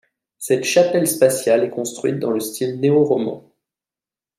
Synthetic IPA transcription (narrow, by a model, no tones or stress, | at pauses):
sɛt̪ʃapɛlspasjalɛkɔ̃st̪χɥit̪̚d̪ɑ̃ləst̪ʰilneoʁɔmɑ̰̃